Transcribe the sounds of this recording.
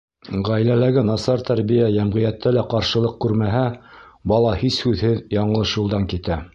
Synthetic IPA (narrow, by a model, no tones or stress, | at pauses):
ʁæjlælæɡɘnɑsɑɾt̪æɾbijæjæmʁijæt̪ːælæqɑɾʃɤ̆lˠɤq̚kʉɾmæɦæbɑlˠɑhishʉðhɘðjɑɴɤ̆lˠɤʃjulˠd̪ɑŋkit̪æ